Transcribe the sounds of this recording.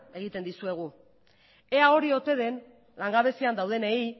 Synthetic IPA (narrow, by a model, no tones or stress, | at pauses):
e̞ɣ̞it̪e̞nd̪isue̞ɣ̞u | e̞ao̞ɾio̞t̪e̞ðe̞n | laŋɡaβe̞siand̪awð̞e̞nei